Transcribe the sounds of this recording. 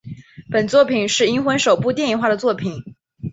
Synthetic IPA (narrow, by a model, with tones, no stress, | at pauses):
pə˨˩nt͡swɔ˥˩pʰi˨˩nʂɻ̩˥˩i˥nxwə˧˥nʂo˨˩ʊpu˥˧t̪jɛ˥˧ni˨˩nxwa˥˩ɾə˩t͡swɔ˥˩pʰi˨˩˦n